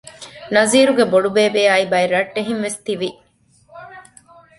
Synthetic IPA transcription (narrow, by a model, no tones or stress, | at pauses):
nɐziːɾuɡeboɖubeːbeːaːibɐeɾɐʈːeɦinʋest̪iʋi